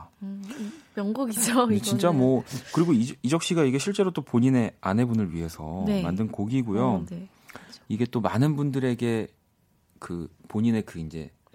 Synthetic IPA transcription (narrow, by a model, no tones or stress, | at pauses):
mjʌŋɡuɡid͡ʑet͡ɕint͡ɕ͈amwʌkɯɾiɡoiid͡ʑʌk̚ɕ͈iɡaiɡe̞ɕʰiɭt͡ɕ͈e̞ɾot͈opoɲine̞ane̞bunɯɭɥiɦe̞sʰʌ̰ma̰ndɯnkoɡiɡojo | iɡe̞t͈omanɯnbundɯɾe̞ɡe̞ | kɯpoɲine̞kɯind͡ʑe̞̰